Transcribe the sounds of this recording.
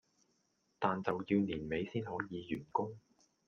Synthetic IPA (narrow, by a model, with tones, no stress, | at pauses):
t̪aː˨nt͡sɐ˨wji˧wniː˨˩nme˨˧jsiː˥nɦɔː˨˥jiː˨˧jyː˨˩nkʊ˥ŋ